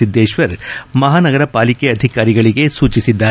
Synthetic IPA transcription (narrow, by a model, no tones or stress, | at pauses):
id̪ːeːʃʋɐɾmɐɦaːnɐɡɐɾɐpaːlikeɐd̪ʱikaːɾiɡɐɭiɡesuːt͡ʃisid̪ːaː